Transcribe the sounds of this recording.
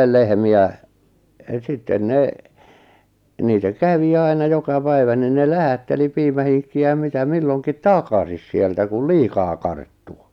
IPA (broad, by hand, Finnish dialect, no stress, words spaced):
lehmiæ sitːen ne niːtæ kæʋi ɑinɑ jokɑ pæiʋæ nin ne læhætːeli piːmæhiŋkːiæ jɑ mitæ milːoŋkit tɑkɑsis sieltæ kul liːkɑː kɑrtːu